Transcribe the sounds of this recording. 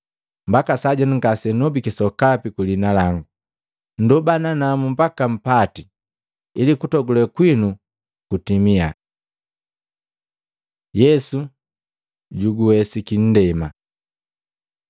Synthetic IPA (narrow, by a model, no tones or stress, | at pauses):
mbakasaɟɔniŋɡasɛnɔbikisɔkapikulinalaŋɡu | n̩dubananamum̩pakam̩pati | ilikutɔɡulɛkwinu | kutimia | jɛsu | ɟuɡuwɛsikin̩dɛma